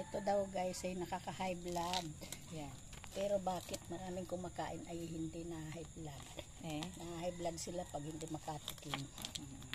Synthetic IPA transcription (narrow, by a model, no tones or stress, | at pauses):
ʔɪt̪od̪awɡajsɐjnɐkakɐhajblad̪̚ | pɛːɾobaːkɪt̪̚mɐŋaːnɪŋkʊŋmakaːʔɪnɐjhɪnd̪inɐhaɦajblad̪̚ | nɐhahajblad̪̚sɪlapɐɡ̚hɪnd̪ɪmɐkat̪ɪkɪŋ